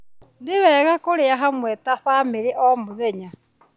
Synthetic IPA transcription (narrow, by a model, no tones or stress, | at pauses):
ndiβɛːɣakoɾiaɦamwɛtaɸamiɾiʔomuðeɲa